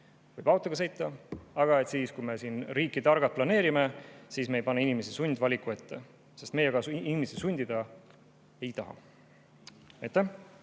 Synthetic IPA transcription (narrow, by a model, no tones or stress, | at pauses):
vɯjb̥ɑwt̪ːˑɑɡ̥ɑs̬ejt̪ːˑɑɑɡ̥ɑe̞t̪siːskujme̞siːnɾiːkːit̪ɑrɡɑt̪̚plɑne̞ːɾime̞siːsme̞jpɑneinimes̬esunʲd̪vɑlʲikue̞t̪ːe̞ | se̞st̪me̞jeɡ̥ɑinimesesunʲd̪̥id̪ɑ | e̞jt̪ɑɦɑ̰ | ejt̪ːˑæh